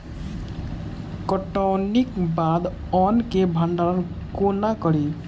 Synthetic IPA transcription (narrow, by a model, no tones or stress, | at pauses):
kɔʈɔwnikbad̪ | ɔnkebʱəɳɖaɾən | konakʌɾi